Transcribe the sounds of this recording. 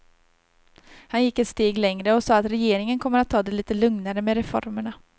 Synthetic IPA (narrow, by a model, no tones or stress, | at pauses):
hanjɪkːɛt̪st̪eːɡlɛŋɾəɔsɑːat̪ɾɛjeːɾɪŋənkʰɔmːəɾat̪ʰːɑːd̪ɛliːt̪əlɵŋnaɾəmeɾɛfɔ̰ɾməɳa